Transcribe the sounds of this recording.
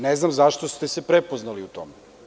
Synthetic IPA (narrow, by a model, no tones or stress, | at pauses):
neznamzaʃt̪ost̪esepɾepoznaliut̪o̞̰me